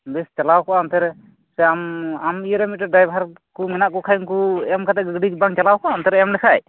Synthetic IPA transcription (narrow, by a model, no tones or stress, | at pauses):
bɛst͡ʃalawkɔʔamt̪ɛɾɛ | sɛamamijɾɛmit̪̚ɾaɖajbʱaɾ | kumɛnaʔkɔkʰajiŋkuɛmkat̪ɛɡɡɖibaŋt͡ʃalawkɔʔant̪ɛɾɛmlɛkʰaj